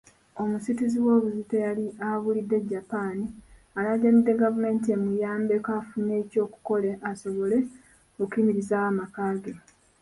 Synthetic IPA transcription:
o̞musitiziwo̞ːβuzitejaliaβulidːe̞ɟːapaːni | alaɟanidːe̞ɡavume̞ːntie̞mujaːmbe̞kaːfune̞ːco̞ːku̥ko̞leʔaso̞βo̞le̞ | okiːmiɾizaːamakaːɡe̞

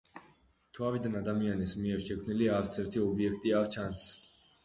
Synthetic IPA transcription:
t̪ʰuavid̪anad̪amianɛsmiɛɾʃɛkʰmniliaɾt̪sʰɛɾt̪ʰiɔbiɛkʰt̪ʼiavt͡ʃʰans

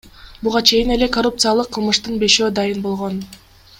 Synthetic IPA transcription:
buʁɑt͡ʃʰe̞jine̞le̞korup̚t̪sɨjalˠɯqʰːɯlˠmɯʃt̪ɯnbe̞ʃø̞ːd̪ɑjɯnbo̞lˠʁo̞n

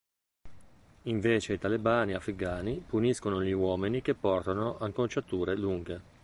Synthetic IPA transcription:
iɱveːt͡ʃeit̪alebaːniafɾikaːnipuniskonoʎiwɔːminikepːɔrt̪anoʔaŋkont͡ʃat̪uːɾeluŋɡe

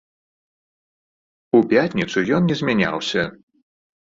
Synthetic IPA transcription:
upʲat̪ʲnʲit̪sujɔnnʲɛzʲmʲanʲa̰wsʲɐ

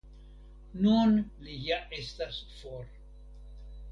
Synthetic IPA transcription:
nunlijaʔest̪asfoɾ

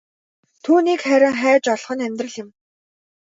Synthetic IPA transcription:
t̪ʰuːniːkχæɾʲɪ̆ŋχæːt͡ɕɔɮχɞ̆næmʲt̪rə̆ɮɪ̆m

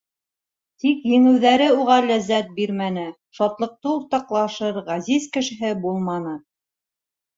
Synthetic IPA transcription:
t̪ikjɘ̆ŋɘ̆wðæɾɘuʁɑlæzːæt̪̚biɾmænɘ | ʃɑt̪lˠɤ̆q̚t̪ɤuɾt̪ɑqlˠɑʃɤɾʁæzizkɘ̆ʃɘ̆ɦɘbulˠmɑnɤ

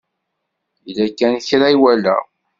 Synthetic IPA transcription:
ilækːænθɾaiwælæ̰

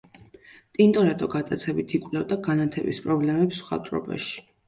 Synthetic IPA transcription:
t̪ʼint̪ʼɔɾɛt̪ʼɔɡat̪ʼat̪sʰɛbit̪ʰikʼwlɛvd̪aɡanat̪ʰɛbḭspʼɾɔblɛmɛpsu̥χa̰t̪ʼɾɔ̰ba̰ʃi̥

